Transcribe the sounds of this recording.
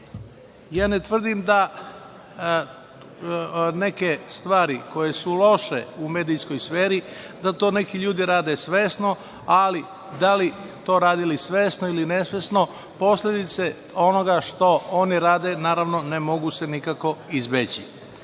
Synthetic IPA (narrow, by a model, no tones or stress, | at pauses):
jaːnet̪ʋr̩d̪imd̪a | ne̞kest̪ʋaːɾiko̞jesulˠo̞ʃḛume̞ːd̪ijsko̞jsfeːɾi | d̪at̪o̞ːne̞kiʎuːd̪iɾaːd̪esʋe̞ːsno̞ | ali | d̪alit̪o̞ːɾaːd̪ilisʋeːsnoilinesʋe̞sno̞ | po̞sled̪it̪se | o̞no̞ɡaʃt̪o̞oniɾaːd̪enaːɾaʋno̞nemo̞ɡuse̞nikako̞izbet͡ɕi